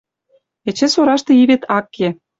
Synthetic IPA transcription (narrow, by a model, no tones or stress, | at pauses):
ĕt͡ɕĕsoɾɑʃt̪ɤ̆iβet̪ʰɑkːe